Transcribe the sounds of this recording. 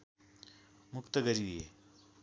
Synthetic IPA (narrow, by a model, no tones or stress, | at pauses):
mʊkt̪əɡəɾie